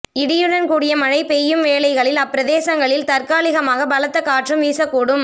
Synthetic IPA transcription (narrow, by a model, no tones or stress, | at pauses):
ɪɽɪjɯɽɐnkuːɽɪjɐmɐɻɐɪpɛjːɯmʋeːlɐɪɣɐɭɪlɐpːɪɾɐðeːsɐŋɡɐɭɪlt̪ɐɾkaːlɪɣɐmaːɣɐbɐlɐt̪ːɐkːaːʈrɯmʋiːsɐkːuːɽɯm